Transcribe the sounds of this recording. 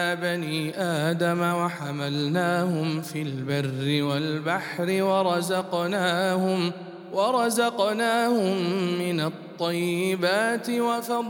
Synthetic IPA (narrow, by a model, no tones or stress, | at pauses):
baniːʔaːd̪amawaħamalnaːhʊmfiːlbɪrːɪwalbaħɾɪwɑɾˤɑzɑqnaːhʊm | wɑɾˤɑzɑqnaːhʊmːɪnɑt̪ˤːɑjːɪbaːt̪ɪwafɑˤ